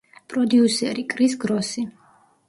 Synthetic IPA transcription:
pʼɾɔd̪iusɛɾikʼɾis̬ɡɾɔsi

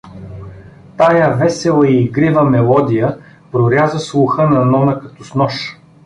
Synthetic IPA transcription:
t̪ajəvɛsɛlˠəiːɡɾivəmɛlˠɔd̪ʲijə | pɾoɾʲjazəslˠʊxənɐnɔnəkɐt̪ɔsnɔʃ

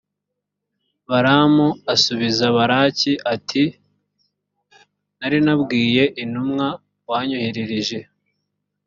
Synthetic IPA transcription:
βaɾamuasuβizaβaɾaːciʔatʰi | naɾinabɡiːje̞ʔinumŋa | waːɲuhiɾiɾiʒe̞

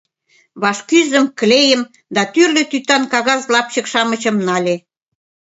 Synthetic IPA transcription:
βɑʃkyzə̆mklejə̆m | d̪ɑt̪yrlø̆t̪yt̪ɑnkɑɣɑzlɑp̚t͡ɕə̆kʃɑmə̆t͡ɕɤ̆mnɑlʲe

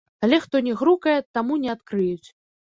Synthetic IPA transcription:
alʲɛxt̪ɔnʲɛɣɾukɐjɛt̪amunʲɛat̪kɾɨjut͡sʲ

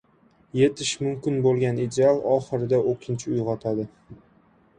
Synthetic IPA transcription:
je̞t̪ʰɪʃmʊmkʲɪnbolˠɡʲanid̪ealˠɒχɨɾɪd̪aokʲʰɪnt͡ʃʰɪʊjʁɒt̪ʰad̪ɪ

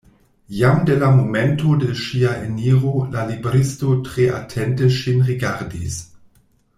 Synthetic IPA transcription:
jamdelamomɛntodeʃiaʔḛniːʁolalibeɾistotʁ̥eʔa̰tʰɛntəʃinʁiɡaɾdḭs

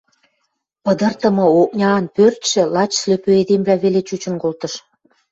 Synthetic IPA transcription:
pəd̪ə̆rt̪ə̆mɤ̆ok̚nʲɑːnpørt̪ʃĕlɑt͡ɕsløpøed̪emblæβelet͡ɕut͡ɕə̆nkolt̪ɤ̆ʃ

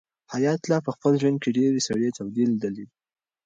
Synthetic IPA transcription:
hajɑt̪lɑpəxpəlʒwand̪̚keɖeɾesaɽet̪awd̪iled̪əli

